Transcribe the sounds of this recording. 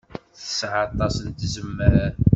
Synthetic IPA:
θə̥sʕɑt̪ˤːɑsnt̪zəmːəɾaɾ

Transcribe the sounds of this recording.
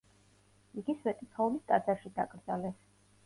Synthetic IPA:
iɡisvɛt̪ʼit̪ʰɔulist̪ʼad̪zaɾʃid̪a̰ɡʼɾd̪zalɛs

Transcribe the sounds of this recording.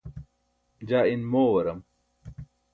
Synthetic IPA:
d͡ʑaːinmoːwɐɾɐm

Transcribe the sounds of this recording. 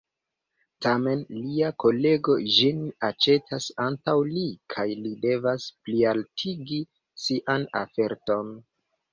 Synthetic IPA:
tame̞nliako̞le̞ɡo̞d͡ʒinat͡ʃe̞tʰasantawlikʰajlide̞vasplialtʰiɡi | siʔana̰fe̞ɾto̞n

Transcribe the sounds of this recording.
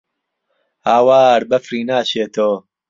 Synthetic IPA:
haːwaːɾbɐfriːnaːʃeːt̪ʰoː

